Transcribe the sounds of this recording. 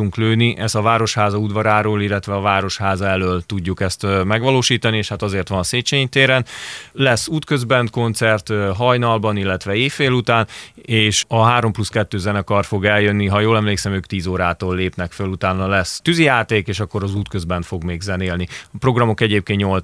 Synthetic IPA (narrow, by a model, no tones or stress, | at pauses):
uŋkløːniʔɛsɒvaːɾo̞ʃhaːzɒud̪vɒɾaːɾoːlilːɛt̪ʋɛɒvaːɾo̞ʃhaːzɒɛløːlt̪uɟːukɛst̪mɛɡʋɒloːʃiːt̪ɒnieːʃhat̪ɒzeːrt̪ʋɒnɒseːt͡ʃeːɲt̪eːɾɛnlɛsːuːt̪køzbɛnt̪̚ko̞nt̪sɛrt̪ɦɒjnɒlbɒnilːɛt̪ʋɛeːfːeːlut̪aːneːʃɒɦaːɾo̞mpluskɛt̪ːøːzɛnɛkɒrfo̞ɡɛljønːiɦɒjoːlɛmleːksɛmøːkt̪iːzoːɾaːt̪oːlːeːpnɛkfølut̪aːnːɒlɛst̪yzijaːt̪eːkeːʃɒkːo̞ɾɒzuːt̪køzbɛnt̪fo̞ɡmeːɡzɛneːlniɒpro̞ɡrɒmo̞kɛɟeːp̚keːnɲol